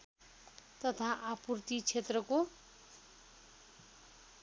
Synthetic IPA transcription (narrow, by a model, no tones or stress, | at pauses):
t̪ʌt̪ʰaʔapurt̪it͡sʰet̪rʌko